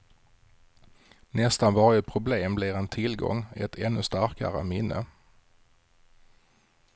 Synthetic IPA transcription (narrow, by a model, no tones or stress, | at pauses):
nɛst̪anvɑːɾɪəpʰɾʊbleːmblɪɾɛnt̪ʰɪlɡɔ̰ŋːɛt̪ʰɛnːɵst̪aɾka̰ɾə̰mɪnːə̰